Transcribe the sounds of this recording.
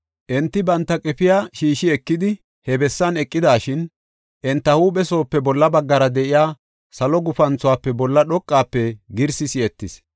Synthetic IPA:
ʔɛnt̪ːɪbɐnt̪ːɐkʼɪfɪjaːʃiːʃɪɛkːɪd̪ɪ | hɛbɛsːɐnɛkʼːɪd̪aːʃɪn | ʔɛnt̪ːɐhuːɓɛso̞ːpːɛbɔlːɐbɐɡːɐɾɐd̪ɛʔɪjaː | sɐlɔɡʊfɐnt͡sʊwaːpːɛbɔlːɐɗɔkʼːaːpːɛɡɪɾsɪsɪɛt̪ːɪs

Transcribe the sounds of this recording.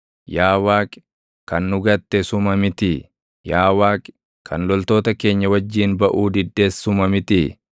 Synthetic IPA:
jaːwaːk | kɐnːʊɡɐt̪ːɛsʊmɐmɪt̪ɪ | jaːwaːk | kʰɐnlɔlt̪oːt̪ɐke̞ːɲːɐwɐd͡ʒːiːnbɐʔuːd̪ɪd̪ːe̞ːsːʊmɐmɪt̪ɪ

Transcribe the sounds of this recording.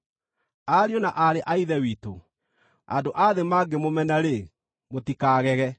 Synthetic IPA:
aɾjonaʔaɾeʔaiðɛwiːto̰ | a̰ndoʔaðemaːɡemomɛnaɾe | motikaːɣɛɣɛ

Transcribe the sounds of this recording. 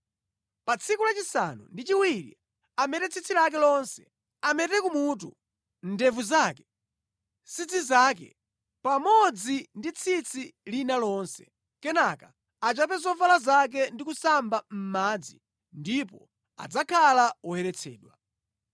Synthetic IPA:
pat͡sʰikulat͡ʃisa̰nṵndit͡ʃiwiɾḭ | amɛtɛt͡sʰit͡sʰilak̬ɛlɔnsɛ | amɛtɛkumutṵ | n̩dɛvuzaːkɛ̥ | sit͡sʰizaːkɛ̰ | pamɔd͡zindit͡sʰit͡sʰilinalɔːnsɛ | kɛnaka | at͡ʃapɛzɔvalazak̬ɛndikusambam̩maːd͡zḭ | ndipɔ̰ | a̰d͡zakʰalaɔhɛɾɛt͡sʰɛ̰ːɗwa

